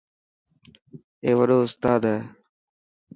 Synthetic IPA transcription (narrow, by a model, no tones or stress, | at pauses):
eːʋəɗoːʊst̪aːd̪ae